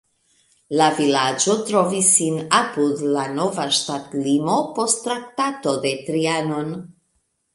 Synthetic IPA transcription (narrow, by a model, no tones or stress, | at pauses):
lavilad͡ʒo̞tɾo̞visːinapud̪lano̞vaʃtatlimo̞po̞stːɾak̚tato̞d̪e̞tɾiano̞n